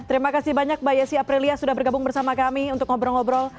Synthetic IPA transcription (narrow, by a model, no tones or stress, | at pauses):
t̪əɾimakasibaɲak̚bajasiapɾiliasudahbərɡabʊŋbərsamakamiunt̪ʊkŋɔbɾɔŋɔbɾɔl